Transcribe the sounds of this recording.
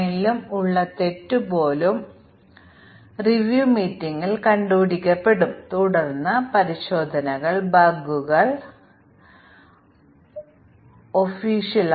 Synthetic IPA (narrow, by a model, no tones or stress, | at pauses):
ilumuɭːɐt̪e̞tːubo̞ːlum | riʋjuːmiːtːiŋːilkɐɳɖuːɽikʲːɐpːe̞ɽumt̪uɽɐrnːɐpɐɾiɕo̞ːd̪ʱɐnɐɣɐɭbɐɡuɣɐɭ | ofiːɕiɐl